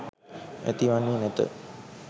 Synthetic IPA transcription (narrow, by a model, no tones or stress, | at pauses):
ḛt̪iʋanːinɛt̪ə̰